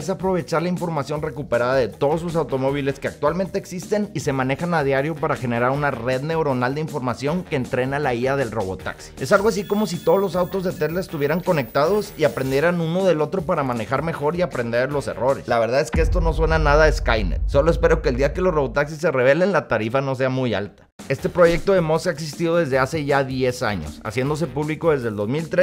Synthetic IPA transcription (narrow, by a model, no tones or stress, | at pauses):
sapɾo̞βe̞t͡ʃaɾlaiɱfo̞ɾmasjo̞nre̞kupeɾaðaðe̞t̪o̞ðo̞zlos̬awt̪o̞mo̞β̞ile̞ske̞ak̚t̪walment̪e̞ːksist̪e̞nise̞mãne̞xanaðjaɾjo̞paɾaxe̞ne̞ɾaɾunare̞ðne̞wɾo̞nald̪e̞iɱfo̞ɾmasjo̞ŋke̞ːnt̪ɾe̞nalaiaðe̞lro̞βo̞̰t̪a̰ksi̥e̞salɣoas̬iko̞mo̞s̬it̪oðo̞zlo̞sawt̪o̞zðet̪ezlaest̪uβje̞ɾaŋko̞ne̞k̚t̪að̞o̞siapɾe̞nd̪je̞ɾanuno̞ðe̞lo̞t̪ɾo̞paɾamãne̞xaɾme̞xo̞ɾiapɾe̞nd̪e̞ɾlo̞se̞̰ro̞ɾe̞slaβe̞ɾðaðe̞skeest̪o̞no̞swe̞nanaðaeskajnḛso̞lo̞e̞spe̞ɾo̞ke̞ːld̪iake̞lo̞sro̞βo̞t̪aksis̬ːe̞reβ̞e̞le̞nlat̪aɾifano̞s̬e̞amuja̰lt̪ḁ | e̞st̪e̞pɾo̞ʝe̞k̚t̪o̞ðe̞mo̞skaeks̬ist̪iðo̞ðe̞zðe̞ase̞ʝaðjesa̰ɲo̞̰sa̰sje̞nd̪o̞s̬e̞puβliko̞ðe̞zðeld̪o̞zmilt̪ɾes